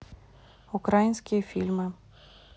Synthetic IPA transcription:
ukɾajinʲsʲkʲijɐfʲilʲmɪ

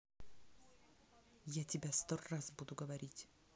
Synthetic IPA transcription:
jatʲɪbʲast̪orrasbud̪ʊɡəvɐɾʲitʲ

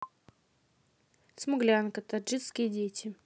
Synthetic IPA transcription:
smʊɡlʲankət̪ad͡ʒɨt̪skʲɪjədʲetʲɪ

